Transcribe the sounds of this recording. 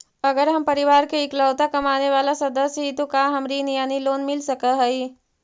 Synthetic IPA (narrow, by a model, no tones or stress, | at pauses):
ɐɡəɾɦɐmpɐɾɪʋaːɾkeɪkləːt̪akɐmaːneʋaːlasɐd̪əsɦit̪okaːɦɐmɾinjaːniloːnmɪlsɐkəɦɛiː